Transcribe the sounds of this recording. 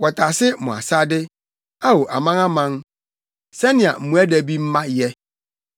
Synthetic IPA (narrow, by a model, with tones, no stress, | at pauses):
wɔ˨tʰa˨sɪ˦mʊ̃˨a̰˨sa˦dɪ˦ | a˦wo˨ʔa˨mã˦ŋa˦mã˦ŋ | sɛ˦nɪ̃˨a̰˨m̩˨mũ˦æ˦dæ˨bi˦m̩˦mã˦jɛ˦